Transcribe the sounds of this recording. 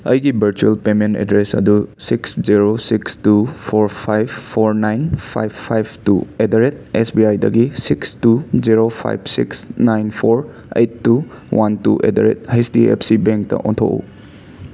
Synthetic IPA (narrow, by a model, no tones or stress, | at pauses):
əjɡibʱɐɾt͡ʃuelpementḛdɾesɐ̰dusiksziɾosikstupʰoɾpʰajbːʰoɾnajnpʰa̰jbːʰajb̚ʰtuedaɾet̚esbiajdɐɡisikstuziɾopʰa̰jbʰsḭksnajnpʰoɾ | ejtːu | wʔantṵʔḛdaɾḛt̚hajstiḛpʰsibeŋk̚tɐ̰ʔɔ̃ntʰo̰ṵ